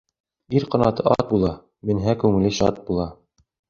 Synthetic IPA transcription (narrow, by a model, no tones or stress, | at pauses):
iɾqɑ̆nɑt̪ɤʔɑt̪̚bulˠɑ | mɘ̆nɦækʉŋɘ̆lɘɕɑ̰t̪̚bulˠɑ